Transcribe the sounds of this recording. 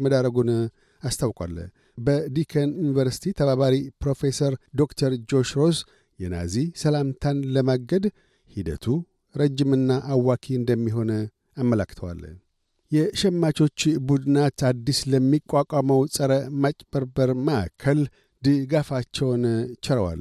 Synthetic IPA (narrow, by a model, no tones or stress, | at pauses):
məd̪aɾəɡun | ast̪ʰawkʼwa̰lː | bəd̪ikʰənjunivəɾsi̥t̪ʰit̪ʰəβaβaɾipɾo̞fe̞səɾd̪o̞kt̪ʰəɾd͡ʒo̞ʃɾo̞s | jɛna̰zisəlamt̪ʰanləmaɡəd̪ | hid̪ə̰t̪ʰu | ɾəd͡ʒːimɨnːaʔawːakʰiɨnd̪əmːiɦo̞n | amːəlakːt̪ʰəwa̰l | jɛʃɛmːat͡ʃo̞t͡ʃːbud̪ɨnat̪ad̪ːisləmːikʷʼwakʼaməwsʼəɾəmat͡ʃʼb̥əɾbəɾməʔa̰kʰːəl | d̪ɨɡafat͡ʃːɛwnt͡ʃʰɛɾəwa̰l